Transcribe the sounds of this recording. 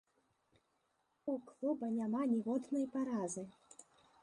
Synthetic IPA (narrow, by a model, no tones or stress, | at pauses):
uklˠɔbɐnʲamanʲiɣɔd̪nɐjpaɾazɨ